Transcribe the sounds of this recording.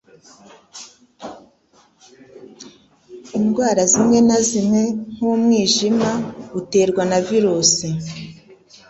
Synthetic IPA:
imɡwaːɾazimŋe̞nazimŋe̞ŋ̥umŋiːʒimaute̞ːɾɡwanaviɾuːsi

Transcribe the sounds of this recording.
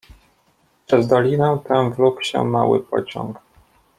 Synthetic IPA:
pʂɛzd̪ɔlʲinɛt̪ɛmvlukɕɛ̰mawɘ̰pɔ̰t͡ɕɔ̰̃ŋk

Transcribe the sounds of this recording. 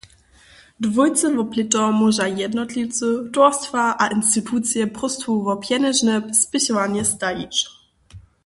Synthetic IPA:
dvujt̪t͡s̪ɨvɔplitɔmɔʐajɛd̪nɔt̪lʲiwt̪t͡s̪ɨtɔstfaʔaʔinst̪itʰut̪sjɛpʁɔst̪fuvɔpjɛnɛʐnɛspɪɕɔvaɲɛst̪ajʲḭt͡ʃ

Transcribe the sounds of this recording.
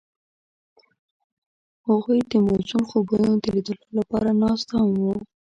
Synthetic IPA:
haɣujd̪əmozunxobunod̪əlid̪əlolapɑɾanɑst̪ahamwə

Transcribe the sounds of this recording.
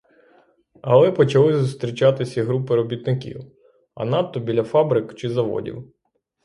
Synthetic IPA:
ɐlˠɛpɔt͡ʃɐlˠɪzʊst̪ɾʲit͡ʃɑt̪ɪsʲɐiɦɾupɪɾɔbʲit̪nɪkʲḭw | ɐ̰nɑt̪ːɔbʲilʲɐfɑbɾɪkt͡ʃɪzɐʋɔ̰dʲḭw

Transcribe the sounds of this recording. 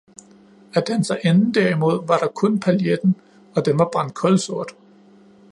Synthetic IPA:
æd̥ænsɑ̈ɪʔenn̩d̥æɐimo̝ð̞̰ˠʋɑ̈ɾ̥ɑ̈kʰɔ̽npʰæljed̥n̩ | ɒ̽d̥enʋɑ̈b̥ʁɑ̈n̰d̥̚kʰɒ̽lso̝ɐ̰d̥

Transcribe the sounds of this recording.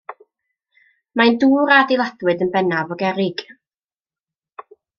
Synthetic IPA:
maɨnduːɾadɪlˠadwɨdənbɛnavɔɡɛɾɪɡ̥

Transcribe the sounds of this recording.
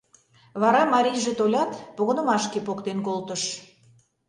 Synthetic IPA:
βɑɾɑmɑɾʲijʒet̪olʲɑt̪poɣŏnə̆mɑʃkepokt̪enkolt̪ə̆ʃ

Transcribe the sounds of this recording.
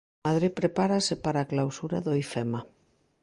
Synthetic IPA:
aðɾipɾepaɾasepaɾaːklawsuɾa̰ðoifema

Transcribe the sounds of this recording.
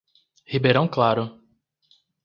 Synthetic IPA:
hibeɾɐ̃w̃klaɾʊ

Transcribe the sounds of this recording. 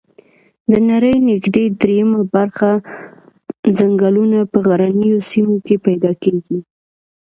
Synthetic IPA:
d̪ənaɾəjnɪɡd̪ed̪ɾejamabaɾxa | zaŋɡalunapəɣaɾanəjosimokepajd̪ɑkeɡi

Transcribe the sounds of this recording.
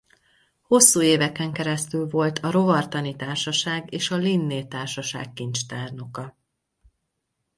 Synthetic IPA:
ho̞sːuːeːvɛkɛŋkɛɾɛst̪ylvo̞lt̪ʰɒɾo̞vɒrt̪ɒnit̪aːrʃɒʃaːɡeːʃɒlinːeːt̪aːrʃɒʃa̰ːkːint͡ʃt̪aːrno̞kɒ

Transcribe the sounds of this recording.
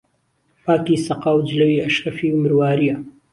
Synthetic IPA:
paːkiːsɐqaːwd͡ʒlɐwiːɐʃɾɐfiːumɨɾwaːɾijɐ

